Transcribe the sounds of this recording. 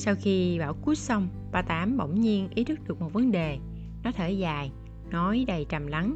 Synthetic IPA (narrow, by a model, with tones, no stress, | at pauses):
saː˧wxi˧ɓaː˧˩wku˦˥ət̚sə˧wŋ͡m | ɓaː˧t̪aː˨˦mɓə̰˧˩˨wŋ͡mɲi˧ənʔi˨˦˥t̪ʰɨ˦˥k̚ɗɨ˨˩ək̚mo˨˩t̚və˨˦nɗe˨˩ | nɔ˨˦t̪ʰeː˧˩zaː˨˩j | nɔ˨˦jɗə˨˩jt͡ɕa˨˩mla˨˦ŋ